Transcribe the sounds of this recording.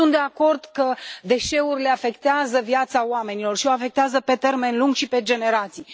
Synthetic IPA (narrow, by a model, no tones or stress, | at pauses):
unt̪d̪e̞ako̞rd̪kəd̪e̞ʃe̞urʲle̞afe̞kt̪eazəvjat̪saoame̞nilo̞rʃioafe̞k̚t̪eazəpe̞t̪e̞rme̞nluŋɡʃipe̞d͡ʒe̞ne̞ɾat̪sij